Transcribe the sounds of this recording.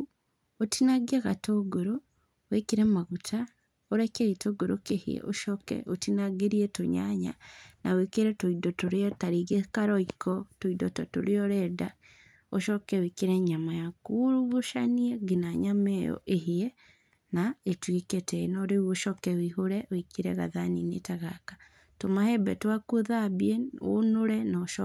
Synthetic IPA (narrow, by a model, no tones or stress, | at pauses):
otinaɡiekatoɡuɾo | wekiɾemaɡutʰa | oɾekeitoɡuɾokehḭjḛʔoʃokḛotinaɡiɾijetoɲa̰ɲa̰nawekiɾetuidotuɾijotaɾiɡekaɾoikotuidototuɾijoɾeda | oʃɔkɛwekeɾɛɲamajakuɾuβoʃaniɛɡenaɲamɛjɔ̰ʔeheɛ | naetweketɛnɔɾeuoʃɔkɛwiɦoɾɛwekeɾɛɣa̰ðaninḛtaɣaka | tomahɛbɛ̰twakoðabiɛo̰noɾɛnaoʃɔ